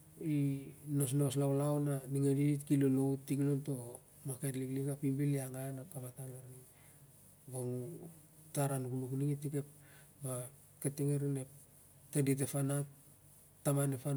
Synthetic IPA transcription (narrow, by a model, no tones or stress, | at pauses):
ino̞s̬nos̬lawlawnaniŋediitkilolowtiknonto̞ | maketliklikapimbiliaŋanakamatalaɾni | boŋutaɾanukunukniŋetikepba | keteŋeɾinep | tedit̬epana | tːamanepan